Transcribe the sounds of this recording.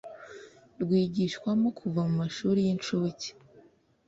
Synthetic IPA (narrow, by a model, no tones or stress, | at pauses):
ɾɡwiːɟiʃkwamokʰuvamumaʃuːɾijinʃoβoce̥